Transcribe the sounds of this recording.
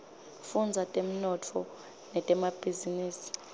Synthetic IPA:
fund͡zʱatʼem̩nɔtʰɔ | nɛtʼɛmab̥ʱiziniːsi̥

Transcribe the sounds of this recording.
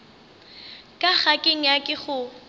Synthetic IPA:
kʼaχakʼeŋ̩jakʼɪχʊ

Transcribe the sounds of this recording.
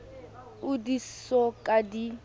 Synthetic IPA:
ʊdisɔkʼadi

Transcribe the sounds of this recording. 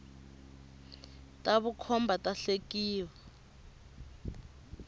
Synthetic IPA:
tʼaβukʰɔmbʱatʼaɬekiːwɛ

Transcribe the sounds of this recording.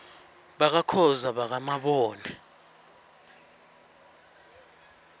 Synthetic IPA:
ɓak̬akʰɔzaɓak̬amaɓɔːnɛ

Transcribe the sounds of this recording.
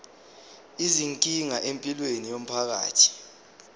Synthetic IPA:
iziŋkʼiŋaʔempʼilwenijom̩pʰak̬a̰ːtʰi̥

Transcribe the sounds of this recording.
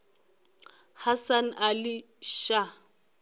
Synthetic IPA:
hasan̩ʔalɪ | ʃa

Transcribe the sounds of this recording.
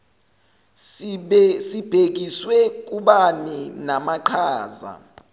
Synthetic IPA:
sib̥ʱek̬iswɛk̬ʼuɓaninamaǃʰaːza̰

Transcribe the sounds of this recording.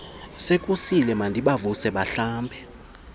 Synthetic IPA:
sekʼusilɛmandʱiɓavusɛɓaɬaːmbʱɛ

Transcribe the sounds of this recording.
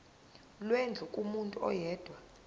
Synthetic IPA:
lwɛnd͡ɮʱukʼumuntʼuɔ̰jɛːd̥ʱwa

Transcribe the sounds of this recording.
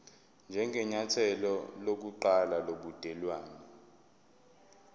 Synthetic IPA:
nd͡ʒʱɛŋɡʱɛɲatʰɛlɔlok̬uǃalaloɓud̥ʱɛlwaːnɛ

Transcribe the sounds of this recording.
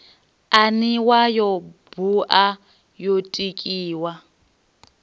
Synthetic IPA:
aniwajɔb̥uʔa | jotʼikʼiːwa

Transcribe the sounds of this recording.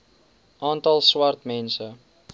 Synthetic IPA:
ʔɑːntɐlˠswɐrtmɛnsə

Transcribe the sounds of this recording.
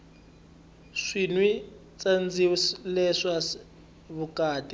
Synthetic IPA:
ʂinwi | t͡sand͡zilɛʂa | βukaːtʼi

